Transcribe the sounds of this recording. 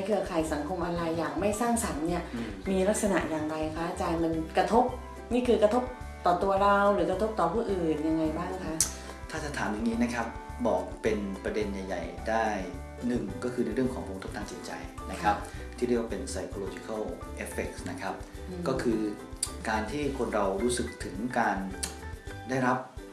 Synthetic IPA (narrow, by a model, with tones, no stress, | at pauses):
jkʰɯ˧ɐkʰaː˨˩jsa˩˦ŋkʰo˧mʔa˧ɾa˧jːaː˨˩k̚ma˥˩jsaː˥˩ŋsa˩˦nni˥˩ɐmiː˧la˦˥k̚sa˧na̰˨˩ʔjaː˨˩ŋɾa˧jkʰa˦˥ʔaː˧t͡ɕaː˧nma˧nkɾa˧t̪ʰo˦˥p̚ | niː˥˩kʰɯː˧kɾa˧t̪ʰo˦˥p̚ | t̪ɔː˨˩t̪u˧ɐɾa˧wɾɯː˩˦˥kɾa˧t̪ʰo˦˥p̚t̪ɔː˨˩pʰuː˥˩ʔɯː˨˩nja˧ŋːa˧jbaː˥˩ŋna˦˥kʰa˦˥ʔ | t̪ʰaː˥˩t͡ɕa˨˩t̪ʰaː˩˦mja˧ŋniː˦˥na˦˥kʰa˦˥p̚bɔ̰ː˨˩k̚pe˧npɾa˧de˧nja˨˩ja̰˨˩jdaː˥˩j | nɯ˨˩ŋkɔː˥˩kʰɯː˧n˧˥˦ɾɯ˥˩əŋkʰɔː˩˦ŋko˧ŋt̪ʰo˦˥t̪aː˧ŋt͡ɕi˨˩t̪̚t͡ɕa̰˧jna˦˥kʰa˦˥p̚t̪ʰiː˥˩ɾwaː˧pe˧nsa˧jkʰo˧loː˧t͡ɕi˦˩kʰa˥˩w | ʔe˦˥fe˨˩k̚sna˦˥kʰa˦˥p̚kɔː˥˩kʰɯː˧kaː˧nt̪ʰiː˥˩kʰo˧nɾa˧wɾuː˦˥sɯ˨˩k̚t̪ʰɯ˩˦ŋkaː˧n | daː˥˩jɾa˦˥p̚